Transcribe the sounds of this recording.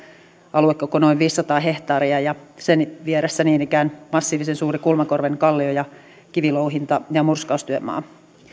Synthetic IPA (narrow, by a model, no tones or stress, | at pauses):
ʔɑluekːokonoiʋʋiːsːɑt̪ɑːɦe̞ht̪ɑːɾiɑjɑsenʋieɾesːæniːnikæːnmɑsːiːʋisensuːɾikulmɑkorʋeŋkɑlːiojɑ | kiʋilouɦint̪ɑjɑmurskɑust̪yømːɑ̰ː